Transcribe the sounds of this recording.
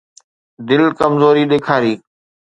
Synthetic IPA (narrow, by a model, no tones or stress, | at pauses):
d̪ɪlkəmzoːɾiːɗeːkʰaːɾiː